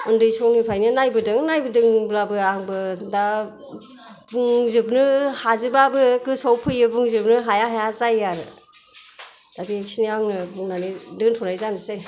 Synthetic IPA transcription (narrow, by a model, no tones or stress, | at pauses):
ɯndɯjsɔwnipʰajnɯnajbɯdɯŋnajbɯdɯŋblabɯaŋbɯda | buŋzɯbnɯhazɯbabɯkɯsɔwpʰɯjɯbuŋzɯbnɯɦajaɦajazajaɾɯ | d̥abiksiniaŋɯbuŋnanidɯntʰɔnajzanɯsaj